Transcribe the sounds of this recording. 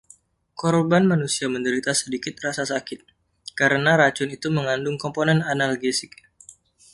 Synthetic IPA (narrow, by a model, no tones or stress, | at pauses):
kɔrbanmanusiaməndəɾit̪asədikɪt̪̚rasasakɪt̪̚ | kaɾənaɾat͡ʃʊnit̪uməŋandʊŋkɔmponɛnanalɡesɪk̚